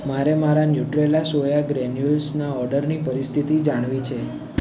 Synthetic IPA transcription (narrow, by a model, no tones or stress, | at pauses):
maɾemaɾanjuʈɾelasojaɡɾɛnjulsnaɔɾɖəɾnipəɾist̪ʰit̪id͡ʒaɽ̃ʋit͡ʃʰe